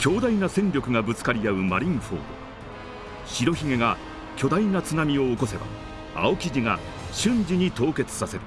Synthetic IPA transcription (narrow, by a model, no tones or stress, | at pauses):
kʲo̞ːd̪ainasẽ̞nɾʲo̞kɯ̟ŋabɯ̟t͡sɨ̥kaɾʲiaɯ̟maɾʲĩɰ̃ɸo̰ːd̪o̰ | ɕiɾo̞çiŋe̞ɡa | kʲo̞d̪ainat͡sɨnamʲio̞ːko̞se̞ba̰ | a̰o̞kʲiʑiŋa | ɕɨ̃ɲd͡ʑiɲ̟it̪o̞ːke̞t͡sɨ̥sase̞ɾɯ̟